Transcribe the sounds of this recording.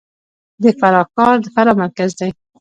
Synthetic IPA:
d̪əfaɾɑkɑɾd̪əfaɾɑmaɾkazd̪aj

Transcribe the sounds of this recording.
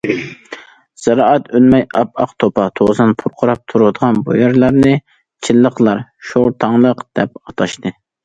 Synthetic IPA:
z̥ɑɾɑʔɑt̪ølmɛjɑpɑqt̪ʰopɑt̪ʰozɨnpʰuɾqʰʊɾɑp̚t̪ʰuɾud̪əʁɑnbṵjɛɾlˠɑɾnɨ | t͡ʃʰɪlːəqlˠɑɾʃoɾt̪ʰɑŋlˠəqd̪̥ɛp̚ɑt̪ʰɑʃt̪ɨ

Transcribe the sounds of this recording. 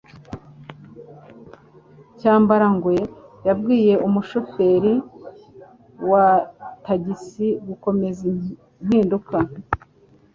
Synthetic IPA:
caːmbaɾaŋɡwe̞jabɡiːje̞ʔumuʃofe̞ɾi | wataɟisiɡuko̞me̞zi | n̥hiːnduka

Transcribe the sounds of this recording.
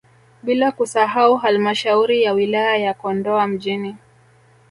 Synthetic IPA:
ɓilakusaɦauɦalmaʃauɾijawilajajakɔndɔam̩ʄini

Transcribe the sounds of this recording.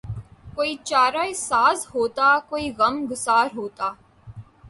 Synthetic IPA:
koːiːt͡ʃaːɾaːesaːzɦoːt̪aːkoːiɣɐmɡʊsaːɾɦoːt̪aː

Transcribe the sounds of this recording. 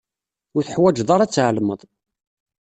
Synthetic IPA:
ʊɾθəħwæd͡ʒðˤɑɾˤɑt͡sːʕəlməðˤ

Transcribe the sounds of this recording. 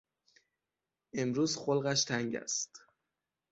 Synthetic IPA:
ʔe̞mɾuːzxolɣæʃt̪ʰæŋɟæ̰st̪

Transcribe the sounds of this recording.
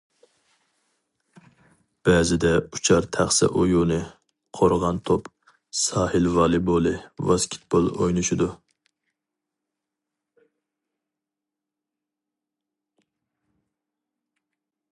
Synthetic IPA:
b̥ɛːzɪd̪ɛut͡ʃʰɑɾt̪ʰæχsɪ̰ʔojunɨ | qʰoɾʁɑnt̪ʰop | sɑːhɪlvɑːlˠɨbolˠɨvɑskʲʰi̥t̪̚b̥olˠojnuʃid̪u

